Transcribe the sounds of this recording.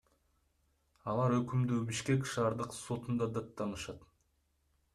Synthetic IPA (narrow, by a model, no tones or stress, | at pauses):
ɑlˠɑɾøkymd̪øːbiʃke̞kʃɑːɾd̪ɯqso̞t̪und̪ɑd̪ɑt̪ːɑnɯʃɑt̪